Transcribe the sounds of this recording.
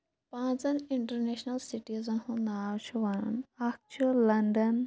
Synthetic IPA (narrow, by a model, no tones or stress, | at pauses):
pãːt͡sɐniɳʈɐɾneʃnɐlsiʈizɐnhũnaːwt͡ʃʰuʋɐnnak̚t͡ʃʰulɐɳɖɐn